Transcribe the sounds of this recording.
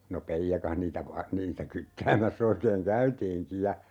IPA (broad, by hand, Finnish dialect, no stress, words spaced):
no peijːɑkɑh niːtæ ʋɑ niːtæ kytːæːmæsː oikeːŋ kæytiːŋki jɑ